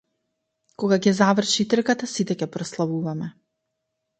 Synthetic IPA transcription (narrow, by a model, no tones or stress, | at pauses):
kɔɡakɛzavr̩ʃit̪r̩kat̪asit̪ɛkʲɛpɾɔslˠavuvamɛ